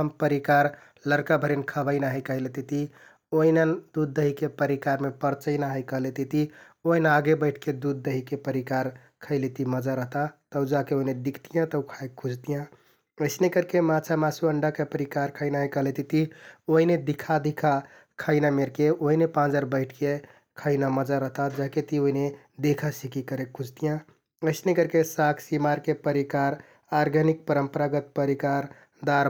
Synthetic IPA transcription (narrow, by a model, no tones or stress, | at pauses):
əmpəɾikaɾ | ləɾkabʱəɾinkʰəbəɪnaɦəkəjlet̪it̪i | oinənd̪ud̪̚ːəɦikepəɾikaɾmepəɾt͡ʃəɪnaɦəjkəɦlet̪it̪i | oɦinaɡebəɪʈʰked̪ud̪̚ːəɦikepəɾikaɾ | kʰəɪlet̪iməd͡ʒaɾəɦt̪at̪əʊd͡ʒakeoɦined̪ikʰt̪ijãt̪əwkʰaekʰud͡ʒt̪ijã | əɪsnekəɾkemat͡ʃʰamasuəɳɖakepəɾikaɾkʰəɪnaɦekəɦlet̪it̪ioɦined̪ikʰad̪ikʰa | kʰəɪnameɾkeoɦinepãd͡ʒəɾbəɪʈʰke | kʰəɪnaməd͡ʒaɾəɦt̪ad͡ʒaket̪ioɦine | d̪ekʰasikikəɾekʰːud͡ʒt̪ijã | əɪsnekəɾkesakʰsimaɾkepəɾikaɾ | aɾɡʱənik̚pəɾəmpəɾaɡət̪̚pəɾikaɾ | d̪aɾ